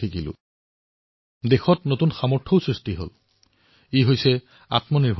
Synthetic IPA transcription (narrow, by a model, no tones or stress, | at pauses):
ikilʊ̰̃ | dexɔtnotunxamɔɹtʰoʊsɹistiɦo̰l | iɦojsɛ | a̰tmɔniɹbʱ